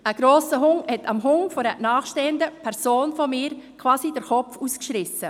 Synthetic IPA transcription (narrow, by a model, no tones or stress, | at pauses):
əɡ̥ɾoːsəɦʊŋhɛtʰɑmɦʊŋfɔɾɛnaːχʃteːəndəpʰɛɾsoːnfɔmɪːɾkʰv̥aːsidəɾxɔpfuːskʃɾɪsə